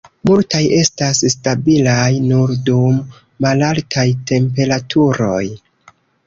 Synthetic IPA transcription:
multajʔe̞stasstabilajnuɾdumː | alaltʰajtʰe̞mpe̞ɾatʰuɾo̞j

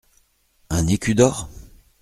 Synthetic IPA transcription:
ɛ̃nekʲyd̪ɔʁ

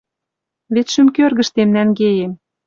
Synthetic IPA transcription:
βet̪ʃymkørɣə̆ʃt̪emnænɡejem

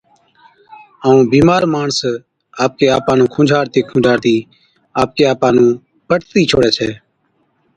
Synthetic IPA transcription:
aːũːbiːmaːɾmaːɳs | aːp̚keːaːpãːnũːkʰʊ̃ːd͡ʒʱaːɾt̪eːkʰũːd͡ʒʱaːɾt̪iː | aːp̚keːaːpãːnũː | pəʈʰt̪iːt͡ʃʰoːɽɛːt͡ʃʰɛː

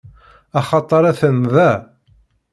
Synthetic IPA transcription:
ɑχɑt̪ˤɑɾˤæθənðæ

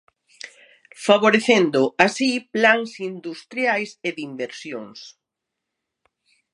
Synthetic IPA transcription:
faβoɾeθend̪oasiplaŋsind̪ust̪ɾjajseðimbeɾsjoŋs

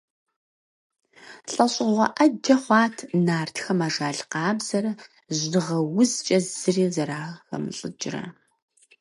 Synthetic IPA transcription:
ɬʼɐɕʼɪʁʷɐ̰ʔɐdɐχʷɑːtʰnaːrtʰxɐmaːʒaːɮqɑːbz̥ɐɾɐ | ʑɨʁɐwʊzt͡ʃʼɐzzɨriːzɐɾaːxɐ̰mɨɬʼɨd͡ʒrɐ̰

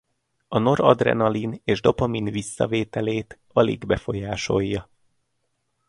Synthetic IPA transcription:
ɒno̞ɾɒd̪rɛ̰nɒlineːʒd̪o̞pɒminvisːɒ̰veːt̪ɛleːt̪ | ɒlḭɡbɛfo̞jaːʃo̞jːɒ

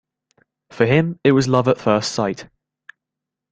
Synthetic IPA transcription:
fəɪ̃mɪʔwɒzlʌvətfɜˑstsaɪt

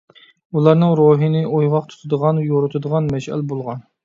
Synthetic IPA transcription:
ulˠɑɾnɨŋɾoɦinɨʔojʁɑqt̪ʰu̥t̪ʰɨd̪əʁɑnjoɾɨt̪ʰɨd̪əʁɑnmɛʃɛ̰lbolˠʁɑn

